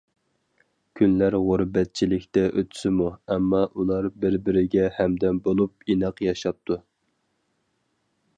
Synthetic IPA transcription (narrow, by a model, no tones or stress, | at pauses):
kʲʰynlæɾʁuɾbɛt̪̚t͡ʃʰilɪkʲt̪ɛʔøt̪ʰy̥sɪmuɛmːɑʔulˠɑɾbɪɾbɪɾɪɡʲɛhɛmd̪ɛnbolˠup̚inɑqjɑʃɑp̚t̪ʰu